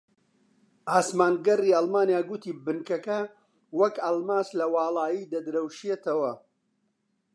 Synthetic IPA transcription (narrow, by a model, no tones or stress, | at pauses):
ʔaːsmaːnɡɐriːɐlˠmaːnijaːɡʊt̪ʰiːbɨnkɐkɐ | wɐkɐlmaːslɐwɑːlˠɑːjiːd̪ɐd̪ɾɐwʃijet̪ɐwɐ